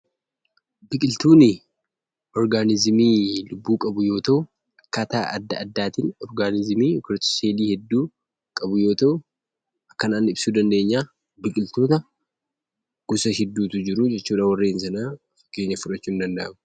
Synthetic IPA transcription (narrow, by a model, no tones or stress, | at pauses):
bɪkʼɪlt̪uːnɪ | ɔɾɡaːnɪzɪmiːlʊbːuːkʼɐbʊjo̞ːt̪ɐʔʊ | ɐkːaːt̪a̰ːʔɐd̪ːɐʔɐd̪ːaːt̪inɔɾɡaːnɪzɪmiːkʊɾt͡ʃːɪ̥seːliːhɛd̪ːuː | kʼɐbʊjo̞ːt̪ɐʔʊ | ɐkːɐnaːnɪbsuːd̪ɐnd̪e̞ːɲːaː | bɪkʼɪlt̪o̞ːt̪ɐ | ɡ̥ʊsɐhɪd̪ːuːt̪ʊd͡ʒɪɾʊd͡ʒɛt͡ʃːuːᶑaːwɐrːeːnsɐna | keːɲːɐfʊᶑɐt͡ʃːuːnd̪ɐnd̪ɐ̰ʔɐmʊ̥